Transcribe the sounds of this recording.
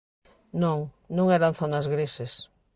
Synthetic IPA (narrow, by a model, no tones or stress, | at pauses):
nõŋ | nõŋɛɾan̟θonazɣɾisɪs